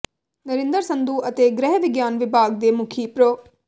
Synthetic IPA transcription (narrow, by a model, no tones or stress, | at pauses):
nɐɾind̪ɐɾsɐnd̪uɐt̪eːɡɾɛɦɐʋiɡjaːnʋibʱaːɡ̚d̪eːmukʰipɾoː